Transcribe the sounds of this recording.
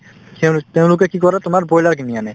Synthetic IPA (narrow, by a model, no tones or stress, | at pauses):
tɛ̃t̪eʊ̃lʊkɛkikɔɾɛt̪ʊmaɹbɔjlaɹkinianɛ